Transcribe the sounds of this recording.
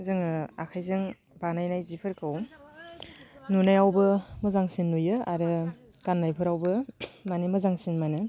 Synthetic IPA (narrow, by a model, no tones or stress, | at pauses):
zɯŋɯakʰajzɯŋ | banajnajzipʰɯɾkʰɯw | nunajawbɯmɯzaŋsinːujɯaɾɯ | kanːajpʰɯɾawbɯmanimɯzaŋsinmanɯ